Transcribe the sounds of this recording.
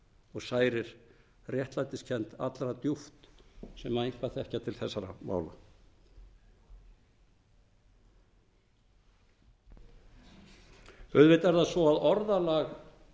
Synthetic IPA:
ɔɣsaːjɾɪɾ̥ | rjɛht̪lant̪ɪscʰɛn̥t̪a̰t̪lɾat̪juft̪sɛmaðeŋ̥kvaθɛhcat̪ʰɪlθɛsːaɾa̰ma̰ːwla̰ | œðvɪt̪ɛɾðasvɔaðɔɾðalaɣ

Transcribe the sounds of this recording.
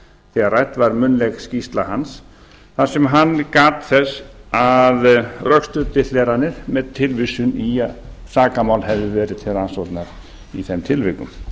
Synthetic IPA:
θiɛɣaɾrajt̪vaɾmʏnlɛɣscist̪lahans | θaðsɛmɦanːkaːt̪θɛsaðrœkst̪ʏt̪ɪlɛːɾanːɪɾ̥mɛðt̪ʰɪlvɪsʏnisaːkamawlhɛvðɪvɛːɾɪt̪ʰɪɾansɔwt̪naɾ | iθɛmt̪ʰɪlvɪkʏ̰m

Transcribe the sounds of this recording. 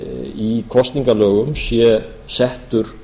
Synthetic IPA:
ikʰɔst̪niŋkalœːɣʏmsjɛ | sɛht̪ʏɾ̥

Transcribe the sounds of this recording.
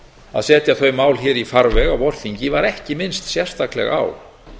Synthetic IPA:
a̰ðsɛːt̪jaθœɥmaːwlçɛɾifaɾvɛɣawɔɾ̥θiɲcɪvaɾɛhcɪmɪnst̪sjɛr̥st̪aklɛ̰ɣaa̰ːw

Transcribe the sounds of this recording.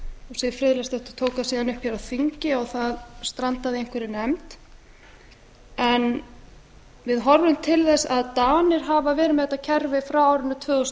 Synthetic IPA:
ɔɣsɛfɾɪðlɛst̪ɛht̪ʏ̥ɾ̥t̪ʰoːwkaðsiːðanʏhpçaɾaðθiɲcɪɔɣθaðst̪ɾant̪aðɪejŋ̥kvɛɾɪnɛmt̪ | ɛn | vɪðɦɔɾvʏmt̪ʰɪlθɛsaðt̪aːnɪɾ̥ɦaːvavɛːɾʏmɛðɛt̪ːacʰɛɾvɪfɾawaːwɾɪnːʏt̪ʰvœːɣɔs

